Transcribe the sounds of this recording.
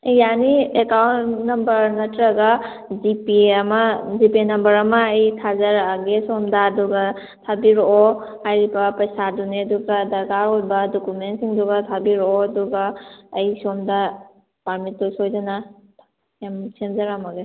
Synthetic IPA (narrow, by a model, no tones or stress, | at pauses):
janiekawnnɐmbɐɾnɐtɾɐɡa | zipiɐmɐzipenɐmbɐɾɐmɐːjtʰazɐɾaɡesomdaːduɡɐ | tʰabiɾo | hajɾibɐpɐjsaduneɐduɡadɐɡaɾojbɐdokumentsiŋduɡatʰabiɾoɐduɡaːjsomda | paɾmitːosojzana | emsemzɐɾamɐɡe